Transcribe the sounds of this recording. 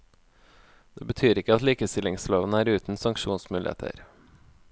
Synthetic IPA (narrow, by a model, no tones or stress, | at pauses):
d̪̥eːbət̪ʰyːɾɪkəɑt̪liːkəst̪ɪlɪŋsloːʋən̩əæːɾʉːt̪n̩sɑŋkʃuːnsmʉːlɪ̰ḛːt̪ʰə̰ɾ